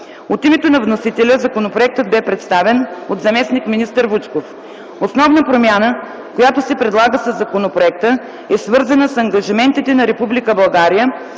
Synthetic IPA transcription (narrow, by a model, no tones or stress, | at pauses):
ot̪imɛt̪onɐvnosit̪ɛlʲəzɐkonopɾoɛk̚t̪əd̪̚bɛpɾɛt̪st̪avɛnod̪zɐmɛsnikminist̪əɾvut͡ʃkof | osnɔvnəpɾomʲjanə | kojat̪osɛpɾɛd̪lˠaɡəsəzːɐkonopɾoɛk̚t̪ə | ɛsvɤɾzɐnəsɐŋɡɐʒimɛnt̪it̪ɛnɐɾɛpublikəbɐlˠɡaɾijə